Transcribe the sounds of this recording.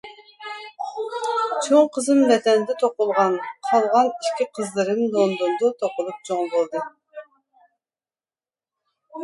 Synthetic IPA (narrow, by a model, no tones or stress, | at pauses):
t͡ʃʰoŋqʰəzɨnvɛd̪ɛnd̪ɛt̪ʰoqʊlˠʁɑnqʰɑlˠʁɑniʃkʲiqʰəzlˠɨɾɨnlˠond̪und̪ut̪ʰoqʊlˠup̚t͡ʃʰoŋbolˠd̪ɨ